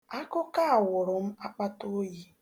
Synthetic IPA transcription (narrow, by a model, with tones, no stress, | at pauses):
a˦kʊ˦ka˦a˨wʊ˨ɾʊ˨m̩˦a˦k͡pa˦to˦ji˦